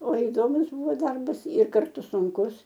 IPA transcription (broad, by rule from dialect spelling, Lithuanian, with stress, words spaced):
oː ɪˈdoːmʊs ˈbuːʋoː ˈdɐrbɐs ɪr kɐrˈtʊ sʊŋˈkʊs